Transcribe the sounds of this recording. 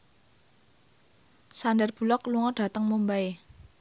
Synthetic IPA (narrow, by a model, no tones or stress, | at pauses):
sandɛrb̥ṳlɔkluŋɔɖ̥a̤t̪əŋmumbae